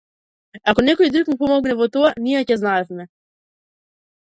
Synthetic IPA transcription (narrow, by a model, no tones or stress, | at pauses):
akɔnɛkɔjd̪ɾukmupɔmɔɡnɛvɔt̪ɔanijɛcɛznaɛfmɛ